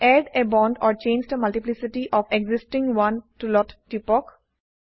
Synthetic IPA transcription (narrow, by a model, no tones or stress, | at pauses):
ɛɖebɔ̃ːɳɖɔːɾt͡ʃẽːnd͡ʒɖəmɐlʈɪplɪsɪʈiʔɔːʋeɡzɪsʈɪ̃ŋɡʋʌ̃nʈulɔtʈipɔk